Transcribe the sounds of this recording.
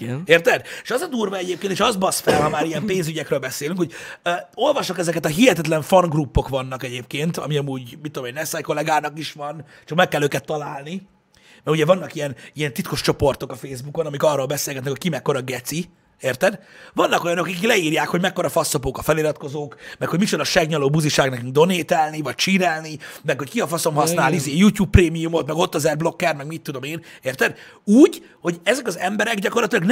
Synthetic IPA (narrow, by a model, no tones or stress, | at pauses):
eːrt̪ɛd̪eʃɒzɒd̪uːrvɒɛɟeːpkeːnt̪eʃɒzbɒsfɛlɦɒmaːɾijɛmpeːnzyɟɛkɾøːlbɛseːlyŋkho̞ɟo̞lvɒʃːokɛzɛkɛt̪ɒɦiɦɛt̪ɛt̪lɛɱfɒŋɡrupːo̞kʋɒnːɒkɛɟeːp̚keːnt̪ɒ̰miɒmuːɟmit̪ːod̪omenɛsajko̞lɛɡaːnɒkiʃʋɒn | t͡ʃɒkmɛkːɛlːøːkɛt̪ːɒlaːlni | mɛɾuɟɛvɒnːɒkijɛnijɛnt̪it̪ko̞ʃt͡ʃo̞po̞rt̪o̞kɒfeːzbuko̞nɒmikɒrːoːlbɛseːlɡɛt̪nɛkocʲkimɛkːo̞ɾɒɡɛt̪si | eːrt̪ɛd̪vɒnːɒko̞jɒnokikiklɛiːrjaːkho̞ɟmɛkːo̞ɾɒfɒsːo̞poːkɒfɛliɾɒt̪̚ko̞zoːkmɛkho̞ɟmit͡ʃod̪ɒʃɛɡɲɒloːbuziʃaːɡnɛkyŋɡ̚d̪o̞neːt̪ɛlnivɒc̚t͡ʃiːɾɛlnimɛkho̞ckiɒfɒso̞mɦɒsnaːlizeːjuːcjuːpːreːmijumo̞t̪mɛɡo̞t̪ːɒzɛrblo̞kːɛrmɛɡmit̪ːud̪o̞meːneːrt̪ɛd̪uːɟ | ho̞ɟɛzɛkɒzɛmbɛɾɛɡɟɒko̞rlɒt̪ilɒɡn